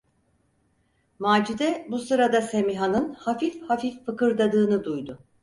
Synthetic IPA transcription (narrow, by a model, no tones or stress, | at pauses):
maːd͡ʒid̪ɛbusɯɾad̪ase̞miɦanɯnhafifhafifːɯkɯɾd̪ad̪ɯːnɯd̪ujd̪ʊ